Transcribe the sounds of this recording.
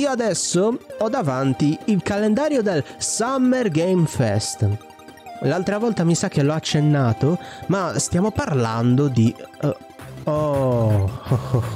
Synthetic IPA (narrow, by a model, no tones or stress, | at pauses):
iːoad̪ɛsːoɔd̪ːavant̪iilkalend̪aːɾjod̪elsamːɛrɡejmfɛst̪ | lalt̪ɾavɔlt̪amisakːelːɔat͡ʃːenːaːt̪omast̪jaːmoparland̪od̪i | ɔ